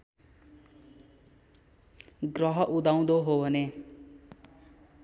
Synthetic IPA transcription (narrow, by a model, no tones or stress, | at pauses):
ɡrʌɦʌʔud̪aw̃d̪oɦobʱʌne